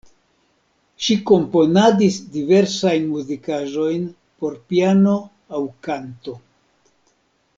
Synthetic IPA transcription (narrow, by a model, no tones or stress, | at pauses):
ʃiko̞mpo̞nadisdive̞ɾsajnmuzikaʒo̞jn | po̞ɾpiano̞ | awkanto̞